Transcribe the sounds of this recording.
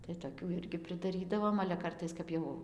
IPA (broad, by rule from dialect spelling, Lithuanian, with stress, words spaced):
tɐɪ toːˈkʲuː ˈɪrʲɡʲɪ pʲrʲɪdɐˈrʲiːdɐʋoːm ɐlʲɛ ˈkɐrtɐɪs ˈkɐp jɛʊ